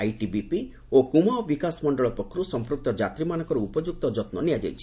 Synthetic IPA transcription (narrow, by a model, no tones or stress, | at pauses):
ajʈibipi | okumaɔbikasmɔɳɖɔɭɔpɔkʰːɔɾusɔmpɾuk̚t̪ɔd͡ʒat̪ɾimanɔŋkɔɾuupɔd͡ʒuk̚t̪ɔd͡ʒɔt̪nɔniad͡ʒa̰jt͡ʃʰi̥